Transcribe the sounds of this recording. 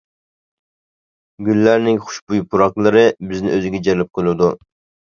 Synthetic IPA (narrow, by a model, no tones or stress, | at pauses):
ɡʲylːæɾnɪŋχʊ̥ʃbujpʰuɾɑqlˠɨɾɨbɪznɪ̰ʔøzɪɡʲɛd͡ʒɛɾlɪp̚qʰɨlˠɨd̪u